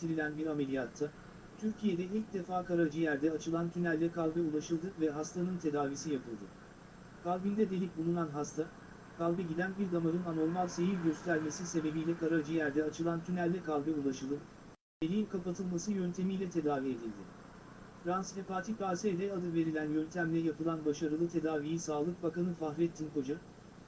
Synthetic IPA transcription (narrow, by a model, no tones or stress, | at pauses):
t̪ʰiɾilʲænbiɾame̞lʲijat̪ʰːa | t̪ʰyɾcʰije̞d̪ɛilʲc̚d̪e̞faːkaɾaɾd͡ʒɯjæɾd̪ɛat͡ʃʰɯlˠant̪ʰynælʲːɛkʰalʲˠbɛulˠaʃɯlˠd̪ɯvɛɦast̪ʰanɯnt̪ʰe̞d̪aːvisijapɯlˠd̪ɯ̰ | kʰalʲˠbinʲd̪ɛd̪e̞lʲip̚bulˠunanɦast̪ʰa | kʰalˠbɛɟid̪ænbiɾd̪amaɾɯnano̞ɾmalʲsejilʲɟøst̪ʰæɾʲme̞sise̞be̞bijlʲɛkʰaɾaɾd͡ʒɯjæɾd̪ɛat͡ʃʰɯlˠant̪ʰynælʲːɛkʰalʲˠbɛulˠaʃɯlˠdɯ | velʲiimkʰapat̪ʰɯlˠmasɯjønt̪ʰe̞mijlʲɛt̪ʰe̞d̪aːvie̞d̪ilʲd̪ɪ | fɾansnepat̪ʰipaːsɛd̪ɛad̪ɯve̞ɾilʲænjønt̪ʰæmlʲɛjapɯlˠanbaʃaɾɯlˠɯt̪ʰe̞d̪aːvijisaːlˠɯk̚bakanɯfaxɾɛt̪ʰːinkʰo̞d͡ʒa